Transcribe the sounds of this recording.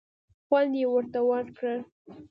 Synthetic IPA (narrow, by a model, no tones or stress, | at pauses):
xwand̪jewəɾt̪awaɾkɽəl